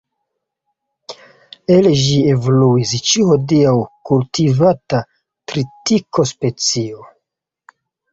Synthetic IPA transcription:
elʒie̞voluist͡ʃiuho̞diawkultivata | tɾitikʰo̞spe̞t͡sio

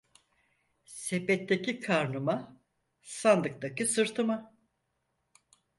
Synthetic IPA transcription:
sepɛt̪ːecikʰaɾnuma | sand̪ɯk̚t̪akisɯɾt̪ʰɯma

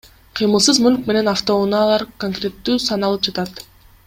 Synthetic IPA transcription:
qʰɯjmɯlˠsɯzmylk̚me̞ne̞naft̪o̞nɑːlˠɑɾkoŋkrʲe̞t̪ːyːsɑnɑlˠɯp̚d͡ʒɑt̪ɑt̪

